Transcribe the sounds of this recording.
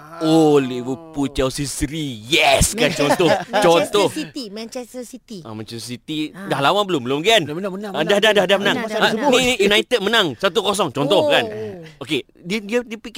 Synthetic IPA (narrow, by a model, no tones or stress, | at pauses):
oliwuput͡ʃawsisɾijɛskant͡ʃɔnt̪ɔt͡ʃɔnt̪ɔhiimãnt͡ʃɛst̪əsit̪iamɛ̃nt͡ʃɛsəsit̪idahlawanbəlʊmlʊmɡiandahdahdahdahmənãŋaniijunajt̪əd̪̚mənaŋsat̪ukos̬ɔŋt͡ʃɔnt̪ɔhkanoke | didiədipik